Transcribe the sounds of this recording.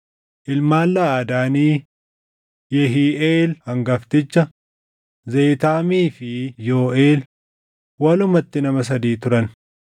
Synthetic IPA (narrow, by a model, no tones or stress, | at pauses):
ʔɪlmaːlːaːd̪aːniː | jɛɦiːʔeːlhɐŋɡɐft̪ɪt͡ʃːɐ | zejt̪aːmiːfɪjo̞ːʔeːl | wɐlʊmɐt̪ːɪnɐmɐs̬ɐd̪iːt̪ʊɾɐn